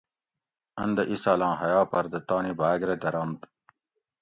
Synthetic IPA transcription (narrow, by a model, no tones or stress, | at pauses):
ɐ̰nd̪ɐʔisalɑ̃ːɦɐjɑːpɐɾd̪ɐt̪ɑːnibaːɡɾed̪ɐɾɐmt̪